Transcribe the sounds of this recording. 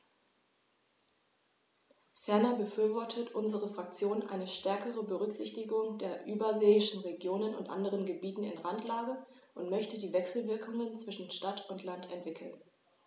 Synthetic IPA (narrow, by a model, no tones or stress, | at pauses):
fɛɐnɐbəfyːɐvɔɐtʰətʰʔʊnzəʁəfʁ̥ak̚t͡sjoːnʔa̰ɪnəʃtɛɐkəʁəbəʁʏkz̥ɪçtɪɡʊŋdeːɐʔyːbɐzeːɪʃn̩ʁeɡjoːnənʊ̰ntʔa̰ndəʁənɡəbiːtn̩ɪ̰nʁantʰlaːɡəʔʊntmœçtədiːvɛksl̩vɪɐkʰʊŋənt͡sv̥ɪʃn̩ʃtatʊntlantɛntv̥ɪkʰl̩n